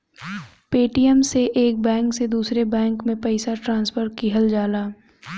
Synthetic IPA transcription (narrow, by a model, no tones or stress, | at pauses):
peːʈiəmseʔeːk̚bɛ̃ːŋksed̪uːsɾebɛ̃ːŋkmẽpɐɪsaʈɾãːnspʰəɾkiɦəld͡ʒaːlaː